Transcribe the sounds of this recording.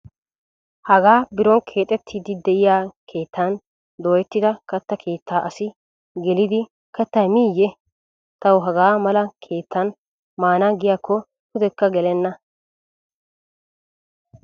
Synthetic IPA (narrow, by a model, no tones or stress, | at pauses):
hɐɡaːbɪɾɔnkʰe̞ːt̪ʼɛt̪ʰːiːd̪ɪd̪ɛʔɪjaːkʰe̞ːt̪ːɐn | d̪oːjɛt̪ːɪd̪ɐkɐt̪ːɐkʰe̞ːt̪ʰːaːʔɐsɪ | ɡɛlɪd̪ɪ | kɐt̪ːɐmiːjːɛ | t̪ɐwɦɐɡaːmɐlɐkʰe̞ːt̪ʰːɐn | maːnaːɡɪjaːkːɔ | hʊd̪ɛkːɐɡɛlɛnːɐ